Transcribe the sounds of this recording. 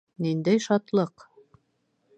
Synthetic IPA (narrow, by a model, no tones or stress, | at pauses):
nind̪æjʃɑt̪lˠɤq